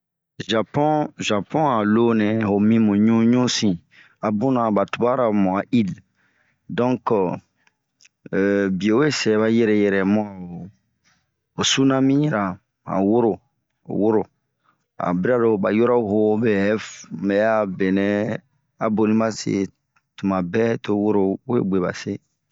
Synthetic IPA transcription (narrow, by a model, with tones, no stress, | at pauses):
ʒa˨pɔ̃˦ʒa˨pɔ̃˦a˨lo˦nɛ̃˨ho˨mĩ˦mũ˨ɲũ˦ɲũ˦sĩ˨ | a˨bũ˦nã˨ba˨tu˨ba˦ɾa˨mɔ̃˨a˨ʔi˦l | dɔ̃˦k | bi˨o˨we˦sɛ˨βa˦jɛ˦ɾɛ˨jɛ˨ɾɛ˨mɔ̃˦a˨o˨ | o˨su˦nã˦mĩ˦˨ɾa˨ | a̰˨wo˦ɾo̰˨ | wo˦ɾo˨ | a̰˨bi˦ɾa˦lo˨ba˨jo˦ɾa˦˨ho˦bɛ˨˦fmɛ˨ja˦be˨nɛ̃˦ | a˨bo˨lĩ˦ma˦sḛ˨˦ | tũ˨mã˨bɛ˦to˦wo˦ɾo˨˦ḛ˦ɡ͡be˨ba̰˨se˦